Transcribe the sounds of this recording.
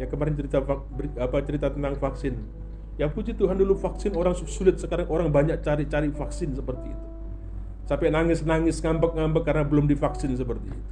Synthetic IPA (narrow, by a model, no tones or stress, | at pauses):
jakəmaɾɪnt͡ʃəɾit̪afa | biapat͡ʃəɾit̪at̪ənt̪aŋfaksɪn | japut͡ʃit̪uɦandulufaksɪnoɾaŋsusulɪt̪̚səkaɾaŋoɾaŋbaɲak̚t͡ʃaɾit͡ʃaɾifaksɪnsəpərt̪ḭːt̪u̥ | sapɛnaŋɪsnaŋɪsŋambək̚ŋambəkːarnabəlʊmdifaksɪns̬əpərt̪ḭːt̪u